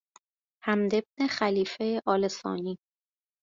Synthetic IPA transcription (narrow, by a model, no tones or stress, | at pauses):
hæmd̪e̞bnexæliːfeʔɒːlesɒ̰ːniː